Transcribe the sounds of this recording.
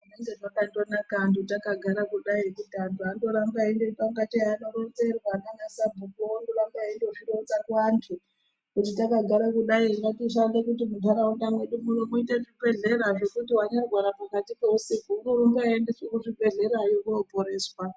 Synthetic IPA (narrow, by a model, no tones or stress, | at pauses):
uneŋɡendokandonakantutakaɡʱaɾakuɗaiekutiantuandoɾambaendoipaŋɡatiaanoɾond͡ze̞rwaːkaɲasabʱukuondoɾambaendoʐirout͡sakantʰu | kut̬itakaɡʱaɾakuɗaiaŋɡatiʃandekut̬imutaɾaundamwe̞ɗumunomuiteʐibe̞ɮe̞ɾaʐe̞kutiwaɲaɡʱwaɾapakatipeusifuunoɾumbaendesekuʐibe̞ɮe̞ɾajokuoboɾe̞ːswa